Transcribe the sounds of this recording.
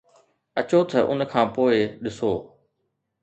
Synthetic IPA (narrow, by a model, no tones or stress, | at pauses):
ɐt͡ɕot̪ʰəʔʊnkʰãːpoːɪɗɪsoː